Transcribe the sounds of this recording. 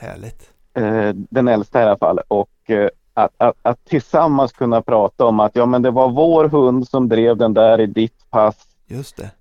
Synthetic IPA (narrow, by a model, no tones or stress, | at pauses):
hæ̰ːɭɪt̪ː | d̪ɛnɛlst̪aɪalːafa̰lːɔk | at̪at̪at̪ʰːɪlsamːanskʰɵnːapʰɾɑːt̪aɔmat̪jɑːmɛnd̪ɛvaɾvoːɾɦɵnd̪sɔmd̪ɾeːvd̪ɛnd̪æːɾɪd̪ɪt̪pʰas | jɵst̪ɛ